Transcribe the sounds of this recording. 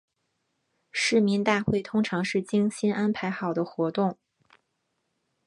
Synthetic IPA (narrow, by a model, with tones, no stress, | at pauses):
ʂɻ̩˥˩mi˧˥nt̪a˥˧xwe˥˩ɪt̪ʰʊ˥ŋʈ͡ʂʰɑ˧˥ŋʂɻ̩˥˩t͡ɕi˥ŋɕi˥nʔa˥npʰa˧˥ɪxɑ˨˩ʊd̪ə˦xwɔ˧˥t̪ʊ˥˩ŋ